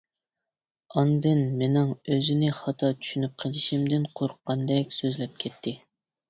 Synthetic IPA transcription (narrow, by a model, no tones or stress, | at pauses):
ɑnd̪ɨnmenɪŋøzɪnɪχɑt̪ʰɑt͡ʃʰy̥ʃynyp̚qʰəlˠɪʃimd̪ɪnqʰoɾʊqːɑnd̪ɛk̚ʲsøzlɛp̚kʲʰɛt̪ʰːɪ